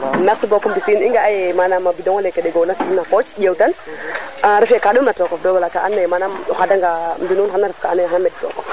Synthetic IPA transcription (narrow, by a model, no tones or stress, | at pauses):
naksibokumbisiːniŋɡaajɛmanamabidɔŋɔlekɛdɛɡonasiinakot͡ʃd͡ʒawtan | aɾifjekaɗumnatɔkɔfdɔɡɔlataʔanːajɛmanamuxadaŋɡambinunxanaɾifkaːnajxanamɛdtɔ̰kɔf